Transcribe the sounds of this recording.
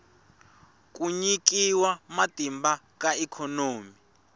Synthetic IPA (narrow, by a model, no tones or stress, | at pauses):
k̬ʼuɲik̬iwamatʼimba | k̬ʼaɛkʰɔnoːmi